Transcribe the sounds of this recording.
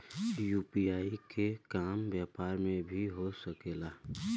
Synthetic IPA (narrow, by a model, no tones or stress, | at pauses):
juːpiaːikʰekaːmʋjaːpaːɾmẽbʱiɦosəkeːlaː